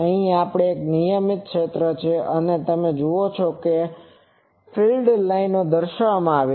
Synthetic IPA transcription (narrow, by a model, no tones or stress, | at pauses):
əɦĩapɽ̃eːknijəmit̪̚kʃʰet̪ɾət͡ʃʰeʔənet̪əmẽd͡ʒuot͡ʃʰoke | fʰilɖlainːod̪əɾʃəɽ̃mãaʋe